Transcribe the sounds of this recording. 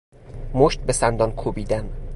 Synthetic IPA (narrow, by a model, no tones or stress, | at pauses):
moʃt̪̚be̞sænd̪ɒnkʰobiːd̪æn